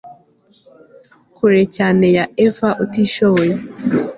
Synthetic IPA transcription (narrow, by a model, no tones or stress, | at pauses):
kuɾecaːnejaevaʔotiʃoβoje